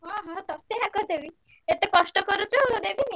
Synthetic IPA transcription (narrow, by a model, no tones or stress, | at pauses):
ɦɔ̃ɦɔ̃t̪ɔt̪eɦakɔd̪ebi | et̪ekɔʂʈɔkɔɾut͡ɕɔɦod̪ebʱini